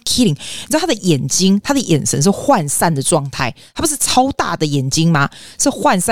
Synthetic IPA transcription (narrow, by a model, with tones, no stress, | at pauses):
kʰi˦˥li˨˦ŋn˨˧˥t̪ʰa˥d̪ə˨˩jɛ˨˩nt͡ɕi˥ŋt̪ʰa˥d̪ə˨jɛ˨˩nsʰə̰˧˦˥ŋʂ̬ɻ̩˥˧xwa˥˧nsa˥˩nd̪ə˩ʈ͡ʂwɑ˥˧ŋt̪ʰa˥˩ɪt̪ʰa˥pu˧˥ʂɻ̩˥˩ʈ͡ʂʰɑ˥ʊt̪a̰˥˩d̪ə˩jɛ˨˩nt͡ɕi˦˥ŋma˨ʂɻ̩˥˧xwa˥˧nsa˥˧